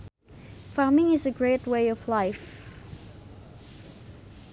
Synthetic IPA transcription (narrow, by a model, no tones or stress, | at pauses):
fɑɹmɪ̃ŋɪzɨɡɹeɪt̚weɪʌvlaɪf